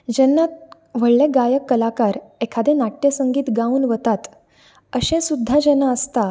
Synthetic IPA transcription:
d͡ʑɛnːat̪̚ | ʋ̤əɭlẽɡajəkːəlakaɾekʰad̪ʱẽnaʈjəsəŋɡiːt̪ɡãuːnʋət̪at̪ | əɕẽsud̪ʱːad͡ʑɛnaəst̪a

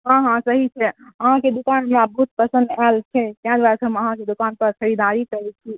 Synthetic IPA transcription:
ɦãɦãsəɦit͡ʃʰɛəɦãked̪ukanɦəmɾabəɦut̪̚pɾəsə̃nd̪alt͡ʃʰɛt̪jãd̪ʋaɾsəməɦãked̪ukanpəɾkəɾid̪aɾikəɾɛt͡ʃʰi

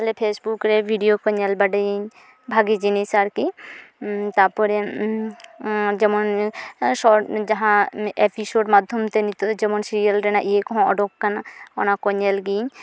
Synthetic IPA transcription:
lepʰesbukɾebʱiɖiokɔɲɛlbaɖajiɲ | bʱaɡid͡ʒinisaɾki | t̪aɾpɔɾe | d͡ʒɛmɔnʃɔd͡ʒaɦãepʰisoɖmad̪ʱːɔmt̪ɛnit̪od͡ʒɛmɔnsiɾijalɾɛnaʔiekɔɦɔ̃ɔɖɔkːanaɔnakɔɲɛlɡiɲ

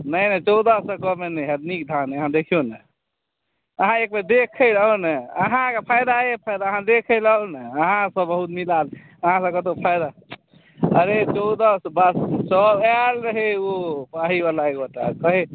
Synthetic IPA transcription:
nəjnət͡ʃɔwd̪əsəkɔmenɛjɦəd̪nik̚d̪ʱaneəɦãd̪ekʰijonə | əɦãek̚med̪ekʰələɦoneəɦãkpʰajd̪aepʰajd̪aəɦãd̪ekʰɛləɦonəəɦãsəbbəɦut̪milal | əɦãsəkət̪opʰajd̪a | əɾet͡ʃɔd̪əsbəssəbɛlɾəɦeopaɦibalaekoʈa̰kəɦi

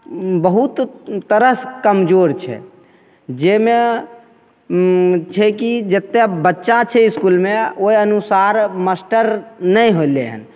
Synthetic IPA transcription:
bəɦut̪t̪əɾəskəmd͡ʒoɾt͡ʃʰɛ̰ | d͡ʒeme | t͡ʃʰɛkid͡ʒət̪ːebətːʃat͡ʃʰɛiskulmeoiənusaɾməsʈəɾnəjɦoilḛɦə̰n

